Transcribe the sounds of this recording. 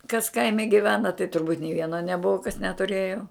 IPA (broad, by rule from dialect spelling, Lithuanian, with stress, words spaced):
kɐs ˈkɐɪmʲɛ ɡʲɪˈʋʲæːnɐ tɐɪ tʊrˈbuːtʲ nʲeː ˈʋʲiɛnoː nʲɛˈbʊʋɐ kɐs nʲɛtʊˈrʲeːjoː